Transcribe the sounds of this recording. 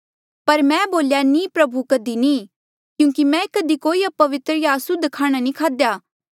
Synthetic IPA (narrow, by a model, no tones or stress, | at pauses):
pɐɾmɛ̃boːljanĩːpɾɐbukɐd̪inĩː | kjũːkimɛ̃ːkɐd̪ikoːiɐpːɐʋɪt̪ɾjaːsʊd̪ʱkʰaːɽ̃anĩkʰaːd̪jaː